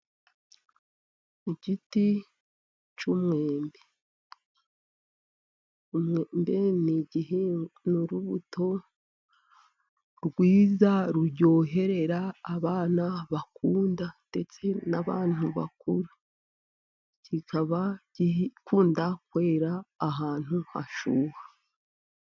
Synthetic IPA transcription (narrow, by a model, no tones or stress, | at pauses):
iɟiti | t͡ʃumŋeːmbe | umŋembe̞niɟiɦenuɾuβuto̞ | ɾɡwiːzaɾuɾɟo̞ːɦe̞ɾe̞ɾaːβaːnaβakuːndande̞t͡se̞naβa̰ːn̥uβa̰kuɾu | cikaβaɟikuːndakwe̞ːɾaːɦaːn̥huha̰ʃuːha